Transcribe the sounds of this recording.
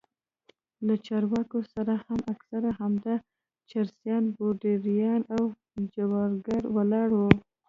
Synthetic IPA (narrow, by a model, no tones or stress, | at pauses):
lat͡ʃɑɾwɑkosaɾahamaksaɾahamd̪ɑ | t͡ʃaɾsjɑnboɖeɾijɑnaw | d͡ʒawɑɾɡaɾwalɑɽwo